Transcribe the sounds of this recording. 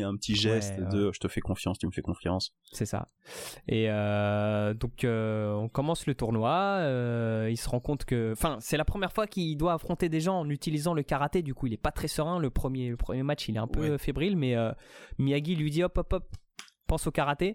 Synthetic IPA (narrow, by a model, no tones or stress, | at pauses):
ɛ̃pət̪ʰiʒɛst̪d̪əʒət̪əfɛkɔ̃fjɑ̃st̪yməfɛkɔ̃fjɑ̰̃s | sɛsa̰ | eø | d̪ɔ̃køɔ̃kɔmɑ̃slət̪uʁnwaøilsəʁɑ̃kɔ̃t̪kəɑ̃fɛ̃sɛlapχəmjɛʁfwakʲild̪waːfχɔ̃t̪ed̪eʒɑ̃ɑ̃nyt̪ilizɑ̃ləkaʁat̪ed̪ykuilɛpat̪χɛsəʁɛ̃ləpχəmjeləpχəmjemat͡ʃilɛɛ̃pøfebʁilmɛømiaɡʲilɥid̪iɔpɔpɔp̚ː | ɑ̃sokaʁat̪e